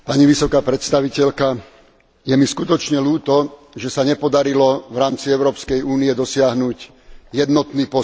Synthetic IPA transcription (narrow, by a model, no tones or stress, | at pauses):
paɲiʋisɔkaːpɾɛt̪st̪aʋicɛʎka | jɛmiskut̪ɔt͡ʃɲɛluːt̪ɔ | ʒɛsaɲɛpɔd̪aɾilɔʋɾaːmt͡siɛʊɾɔːpskɛjuːniɛd̪ɔsɪaɦnuɟ | jɛd̪nɔt̪niːpɔ